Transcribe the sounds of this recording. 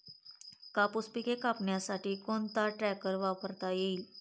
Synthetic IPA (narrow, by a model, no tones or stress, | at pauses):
kapuspikekapɳjasaʈiːkont̪aʈɾɛkəɾʋapəɾt̪ajeiːl